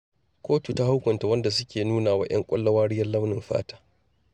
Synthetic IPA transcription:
kʷʰoː˦tu˨ta˦ha˦wkʷʊ˨nta˨wɐ˦nda˨sʊ˦kʲeː˨nuː˦naː˨wa̰˦j̰ɐ̰˦ŋkʷʼɐ̰˦lːɐ˦waː˦ɽɪ˦jɐ˦nlɐ˦wnɪ˨mɸa̰ː˦tḁː˦

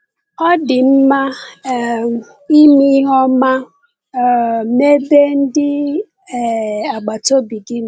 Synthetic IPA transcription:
ɔ˦dɪ˨m̩˦ma˦˨ | i˦mi˦ɦɔ˦ma˦˨ | me˦be˦n̩˦dɪ˦˨ | a˨ɡ͡ba˨to˦bi˨ɡi˦˨

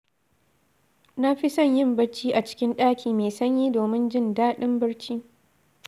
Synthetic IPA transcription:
na˦ɸi˦sɐ˦˨ɲjɪ˦˨mbɐ˦ɽt͡ʃiː˦ʔa˨t͡ʃɪ̥˦kʲɪ˦nɗaː˦kʲiː˨meː˨sɐ˦ɲjiː˦doː˨mɪ˦nd͡ʒɪ˦ndaː˦ɗɪ˦mbɐ˦ɽt͡ʃiː˦

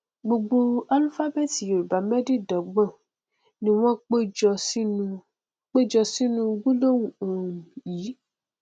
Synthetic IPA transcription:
ɡ͡bo˧ɡ͡bo˧a˦lfa˦bɛ˦˨ti˨jo˨ba˨˦mɛ˦di˦˨dɔ˨˦ɡ͡bɔ̃˦˨ | nĩ˦w̃ɔ̃˦k͡pd͡ʒ | k͡pe˦d͡ʒɔ˧si˦nũ˦˧ɡũ˦lo˦˨wũ˨õ˨jiː˨˦

